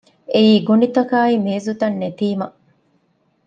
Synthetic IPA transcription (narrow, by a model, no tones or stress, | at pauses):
eiːɡunit̪ɐkaːimeːzut̪ɐnːet̪iːmɐ